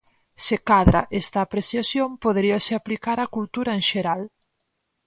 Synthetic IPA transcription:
sekaðɾaʔest̪aːpɾeθjasjompoðeɾiasɪaplikaɾakult̪uɾaenʃeɾal

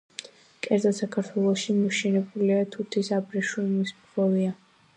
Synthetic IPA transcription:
kʼɛɾzasakʰaɾt̪ʰwɛlˠɔʃimɔʃɛnɛbuliat̪ʰuɾt̪ʰisabɾɛʃumisbχɔvia

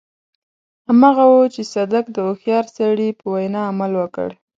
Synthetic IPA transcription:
hamɑɣawut͡ʃesad̪akd̪əoxjɑɾsaɽipəwajnɑːmalwəkə̰ɽ

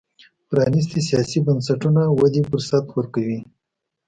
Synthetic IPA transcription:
pɾɑnis̬t̪isijɑsibansaʈunawad̪ifʊɾsat̪wəɾkawi

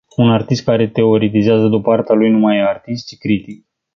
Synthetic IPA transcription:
unart̪ist̪̚kaɾe̞t̪e̞o̞ɾet̪̬izeazəd̪upəart̪alujnumajart̪ist̪̚t͡ʃi̥kɾit̪ik

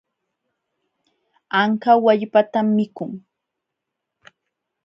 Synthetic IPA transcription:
aŋkawaʎpat̪amːɪkʊŋ

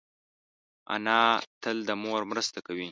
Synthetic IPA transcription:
a̰nɑt̪əld̪əmoɾmɾəst̪akawi

